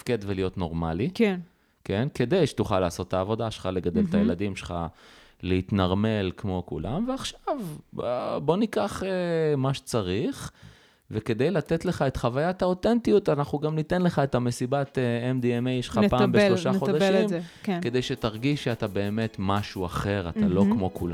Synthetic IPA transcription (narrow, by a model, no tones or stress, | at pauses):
tafke̞d̪velijo̞t̪no̞ʁma̰likn | ke̞nke̞d̪e̞jʃe̥t̪uχalːaːso̞t̪ːaːvo̞daʃelχale̞ɡad̪elt̪ajelad̪imʃelχa | leit̪naʁme̞lkmo̞kṵlʔa̰mveaχʃavbbo̞nikaχemaʃe̥t͡saʁiχ | veke̞d̪ejlat̪etle̞χae̞tχavajat̪ao̞tentijut̪anaχuɡamnit̪e̞nle̞χae̞t̪hame̞sibat̪eemd̪iemejʃeχapaːmbeʃloʃaχod̪aʃimkke̞d̪ejʃetaʁɡiʃeatabe̞ːme̞tmaʃuaχe̞ʁatalo̞kmo̞kula